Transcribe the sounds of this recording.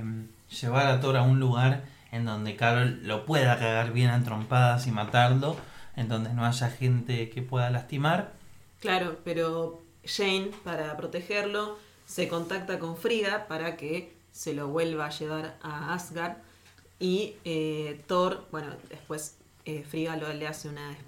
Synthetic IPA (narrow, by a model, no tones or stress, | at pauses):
m | ʒ̥eβaɾat̪̬o̞ɾaunluɣaɾ | e̞nd̪o̞nd̪e̞kaɾolo̞pweðakaɣaɾβje̞nant̪ɾo̞mpaðasimat̪aɾlo̞end̪o̞nd̪e̞no̞aʒaxe̞nt̪eke̞pwe̞ðalast̪imaɾ | klaɾo̞peɾo̞ | ʃejnpaɾapɾot̪exeɾlo̞ | seko̞nt̪akt̪ako̞ɱfɾiɣapaɾake | selo̞βwe̞lβaːʃeβ̞aɾaasɣaɾ | iet̪oɾbwe̞no̰d̪espwe̞s | efɾiɣaloleaseunae